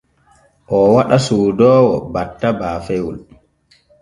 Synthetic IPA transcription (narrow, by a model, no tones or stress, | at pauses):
ʔɔwaɗasuːdɔːwɔbatːabaːfɛwul